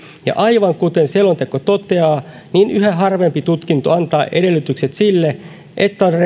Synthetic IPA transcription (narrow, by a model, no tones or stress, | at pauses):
jɑ̰ʔɑiʋɑŋkut̪enselːont̪ekːot̪ot̪eɑː | niːnyhæɦɑrʋempit̪ut̪kint̪oɑnt̪ɑːʔedelːyt̪ykset̪silːe | ʔet̪ːæonre